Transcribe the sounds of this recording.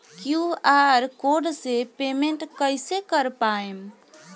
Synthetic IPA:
kjuaɾkoɖsepemeɳʈkəjsekəɾpaem

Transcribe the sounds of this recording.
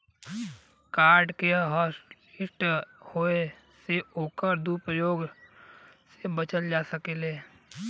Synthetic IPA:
kaːɾɖkeɦɔːs | ɪsʈhoe | seoːkəɾd̪upɾəjoːɡ | sebət͡ʃəld͡ʒaːsəkeleː

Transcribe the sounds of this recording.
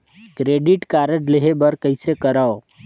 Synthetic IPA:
kɾeɖiʈkaɾəʈleɦebəɾkəɪsekəɾəo

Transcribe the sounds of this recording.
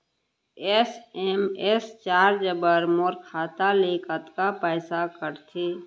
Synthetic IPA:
esemest͡ʃaːɾd͡ʒəbəɾmoːɾkʰaːt̪aleːkət̪kapɛːsakəɾt̪ʰiː

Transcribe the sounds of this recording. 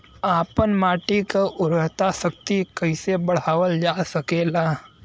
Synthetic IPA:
aːpənmaːʈikaʔʊɾəɦt̪asək̚t̪ikəɪsebəɽ̤aːʋəld͡ʒaːsəkeːlaː

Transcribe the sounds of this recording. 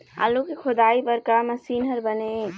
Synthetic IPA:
a̰lukekʰʊd̪aːibəɾkaməsiːnɦəɾbəne

